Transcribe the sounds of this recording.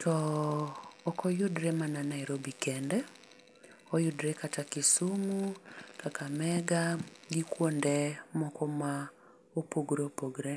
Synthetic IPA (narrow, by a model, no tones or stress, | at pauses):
tʰɔː | kʰɔjʊdɾemananaiɾobikɛndɛ | ɔjʊdɾekatakisumukakamɛɡaɡikwondɛmɔkɔma | opoɡɾepoɡɾe